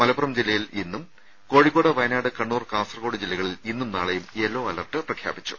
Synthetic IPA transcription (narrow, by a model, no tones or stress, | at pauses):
mɐlɐpːurɐmd͡ʑilːɐjilinːum | ko̞ːɻikːo̞ːɽɐʋɐjɐnaːɽɨkɐɳːuːrkaːsɐrɐɣo̞ːɽid͡ʑilːɐɣɐɭilinːumnaːɭɐjumeːlːo̞ːɐlɐrʈːɨprɐkʰja̰ːbit͡ɕːu̥